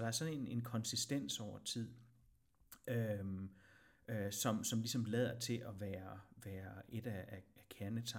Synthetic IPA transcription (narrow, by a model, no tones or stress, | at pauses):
d̥ɑ̈æɐsɒ̽nene̝nkʰɒ̽nsisd̥en̰sɒʊ̰ɐt͡sʰið̰ˠ | ø | øsɒ̽msɒ̽mlisɒ̽mlɛð̞̰ˠɐt͡sʰe̝ʔɒʋæːɐʋæːɐe̝d̥ææækʰæɐnət͡sʰɑ̈